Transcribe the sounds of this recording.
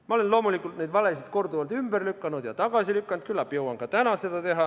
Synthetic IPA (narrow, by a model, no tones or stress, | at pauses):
mɑolenloːmulikːult̪ned̪ʋɑlesit̪kort̪uʋɑlt̪ymb̥ærlykːɑnud̪jɑt̪ɑkɑsilykːɑnt̪̚kylːæpjowɑŋkɑt̪ænɑset̪æt̪ehɑ